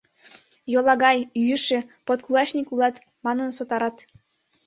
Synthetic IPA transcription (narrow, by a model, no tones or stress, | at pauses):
jolˠɑɣɑjjyʃĕpot̪kulˠɑɕnʲikulˠɑt̪ | mɑnɤ̆nsot̪ɑɾɑt̪